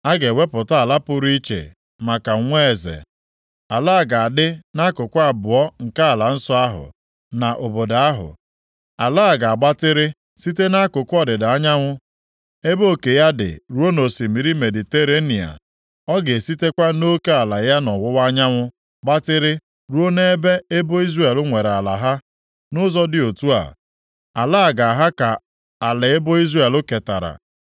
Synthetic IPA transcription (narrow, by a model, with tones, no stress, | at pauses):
a˦ɡe˨we˦pʊ˨ta˦a˨la˦pʊ˦ɾi˦t͡ʃḛ˨ | ma˨ka˨˦ŋʷe˦e˨zḛ˨ | a˨la˦a˦˨ɡa˨a˨dɪ˦na˦kʊ˨kʷʊ˦a˦˨bʊ˨ɔ˦ŋ̩˨ka˦˨la˨n̩˦sɔ˦a˦ɦʊ̰˨ | na˨ʔo˨bo˨da˨a˦ɦʊ̰˨ | a˨la˦a˨ɡa˨a˨ɡ͡ba˦tɪ˦ɾɪ˦ | si˦te˦na˦kʊ˨kʷɔ˦dɪ˨da˨a˦ɲa˦ŋʷʊ˦ | e˦bo˦˨ke˨ja˦dɪ̰˨ɾu˨˦o˦no˨si˨mi˨ɾi˦me˨dɪ˨te˦ɾe˦ni˨a̰˨ | ɔ˦ɡe˨si˦te˦kʷa˦no˦ke˦a˨la˨ja˦nɔ˨wʊ˦wa˦ɲa˦ŋʷʊ˦ | ɡ͡ba˦tɪ˦ɾɪ˦ | ɾu˦o˦ne˦e˦be˦e˦bo˦i˦zre˦e˨lʊ˦ŋʷe˨ɾa˨la̰˨ɦa˦ | nʊ˦zɔ˦dɪ˦˨o˨tu˦a̰˨ | a˨la˦˨ɡa˨a˨ɦa˦ka˨ | a˨lɪ˨e˦bo˦i˦zre˦˨e˨lʊ˦ke˨ta̰˨ɾa̰˨